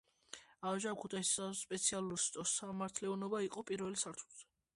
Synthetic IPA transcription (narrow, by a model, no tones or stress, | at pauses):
aʒakʰut̪ʰaissaspʼɛt̪sʰialˠuɾst̪ʼɔsamaɾt̪ʰlɛɔnɔbaiqʼɔpʼiɾvɛlisaɾt̪ʰu̥lz̥ɛ̥